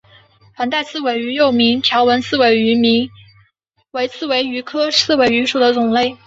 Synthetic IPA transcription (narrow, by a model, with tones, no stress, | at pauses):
fa˧˥nt̪a˥˧ɪt͡sʰɹ̩˥˩we˨˩ɪy˧˥jo˥˩ʊmi˧˥ŋt̪ʰjɑ˧˥ʊwə˧˥nt͡sʰɹ̩˥˩we˧˥ɪy˧˥mi˧˥ | we˧˥ɪt͡sʰɹ̩˥˩we˧˥ɪy˧˥kʰɤ˥sʰɹ̩˥˩we˧˥ɪy˧˥ʂu˨˩d̪ə˦t͡sʊ˨˩ŋle˥˩ɪ